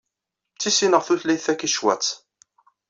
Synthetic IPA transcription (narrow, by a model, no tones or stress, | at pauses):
t͡sːisinəʁθuθlæjθækːiʃwæ̰t͡sː